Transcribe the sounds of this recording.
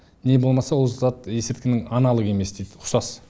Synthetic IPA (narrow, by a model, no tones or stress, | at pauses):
ne̞bo̞lˠmɑsɑwo̞lˠzɑt̪e̞sɪpt̪kʲɪnɪŋɑnɑlˠəʁe̞me̞sd̪e̞jd̪ɪʊχsɑs